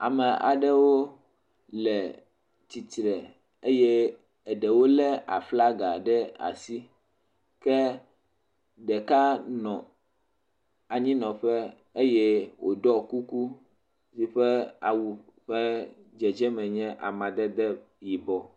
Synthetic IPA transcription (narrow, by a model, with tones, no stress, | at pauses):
a̰˨mɛ˨ʔa̰˨ɖɛ˦wo˦ | lɛ˨ | t͡ɕi˨t̪ɾɛ˨ | e˦jɛ˦ | ɛ˨ɖɛ˨wo˦lɛ˦a̰˨fla˦ɡa˨ɖɛ˦a̰˨si˦ | kɛ˦ | ɖɛ˨ka˦nɔ̃˨ | a˨ɲĩ˦nɔ̃˨ɸɛ˦ | e˦jɛ˦wʔo˨ɖɔ˦ku˦ku˦ | si˨ɸɛ˦a̰˨wu˨ | ɸɛ˦ | d͡ʒɛ˨d͡ʒɛ˦mɛ̃˨ɲɛ̃˦ʔa̰˨mã˨d̪ɛ˦d̪ɛ˦ | ji˨bɔ˨